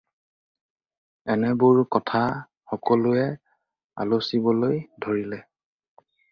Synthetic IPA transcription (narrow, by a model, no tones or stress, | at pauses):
ɛnɛbʊɹkɔtʰa | xɔkɔlʊɛ | a̰lusibɔlojdʱoɹilɛ